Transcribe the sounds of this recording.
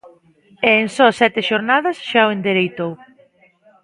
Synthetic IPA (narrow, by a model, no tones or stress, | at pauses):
eːŋsɔsɛt̪ɪʃoɾnaðɐsʃaoend̪eɾejt̪ow